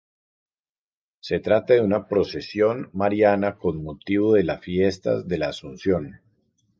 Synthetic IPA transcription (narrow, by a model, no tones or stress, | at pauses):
se̞t̪ɾat̪aðeunapɾo̞se̞sjo̞nmaɾjanako̞nmot̪iβoðe̞lasfje̞st̪a̰zd̪e̞laːsunsjo̞n